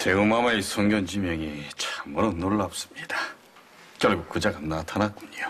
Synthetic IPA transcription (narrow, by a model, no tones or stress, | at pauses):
te̞umamaesʰoŋɡjʌnd͡ʑimjʌŋit͡ɕmuɾonːoɭːap̚s͈ɯ̥mɲid̥a | k͈jʌɭɡuk͈̚ud͡ʑaɡanatʰanak͈̚uɲio